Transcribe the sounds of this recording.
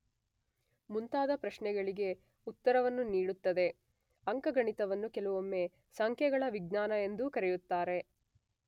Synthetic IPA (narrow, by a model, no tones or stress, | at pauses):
munt̪aːd̪ɐpɾɐʃɳɛɡɐɭiɡe̞ | ut̪ːɐɾɐʋɐnːuniːɽut̪ːɐd̪e̞ | ɐŋkɐɡɐɳit̪ɐʋɐnːukɛluʋomːe̞ | sɐŋkʰjɛɡɐɭɐʋiɡnaːnɐend̪ukɐɾɛjut̪ːaːɾe̞